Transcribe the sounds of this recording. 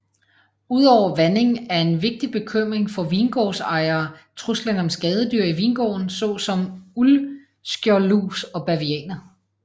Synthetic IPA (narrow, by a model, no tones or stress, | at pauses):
uð̞̰ˠɒʊ̰ɐʋæne̝ŋ̩æɐe̝nʋe̝ɡ̥̚d̥ib̥e̝kʰøm̰ʁeŋfɒ̽ʋiːnɡ̥ɒ̰ːsɑ̈ɪɐːt͡sʰʁuslænɒ̽msɡ̥ɛːð̞ˠəd̥yɐ̰iʋiːnɡ̥ɒ̰ːnsɒ̽sɒ̽mul | sɡ̥jɒluːsɒ̽b̥æʋiɛ̰ːnɐ